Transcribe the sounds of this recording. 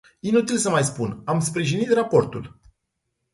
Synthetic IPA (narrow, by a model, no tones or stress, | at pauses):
inut̪ilsəmajspunamspɾiʒinit̪rapo̞rt̪ṵl